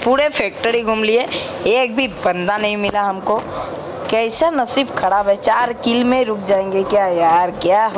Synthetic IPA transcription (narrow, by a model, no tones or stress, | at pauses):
puːɾefʰɛːk̚ʈəɾiɡʱʊmlie | eːk̚bʱibɐ̃nd̪anɐɦĩmɪlaɦɐmko | kɛɪsanɐsiːbkʰɐɽaːbɦɛt͡ʃaːɾkɪlmẽɾʊkʰd͡ʒaːẽːŋɡekjaːjaːɾkjaːɦ